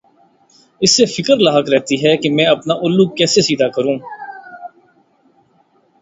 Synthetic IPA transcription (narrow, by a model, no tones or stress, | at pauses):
ɪsːefɪkəɾlaːɦəkɾɛɦt̪iɦɛkemɛ̃ːɐpnaːʔʊlːuːɡ̚kɛːsesiːd̪akəɾũː